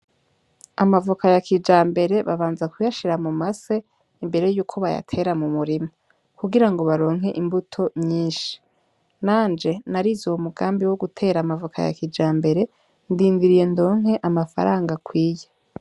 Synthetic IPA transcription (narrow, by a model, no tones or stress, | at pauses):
amavukajakid͡ʒaːmbe̞ɾe̞βaβaːnzakujaʃiɾamumase | imbe̞ɾe̞juːkʰo̞βaja̰tʰe̞ɾamumuɾimo | kuɡiɾaŋɡo̞βaɾo̞ːŋɦe̞ʔimbutʰo̞mɲiːnʃi̥ | naːnd͡ʒe̞naɾizoumuɡaːmbiwo̞ɡutʰe̞ːɾamavukʰa̰ja̰kid͡ʒaːmbe̞ɾe̞ | ndiːndiɾije̞ndo̞ːŋ̥ɦe̞ʔamafa̰ɾaːŋɡakwiːje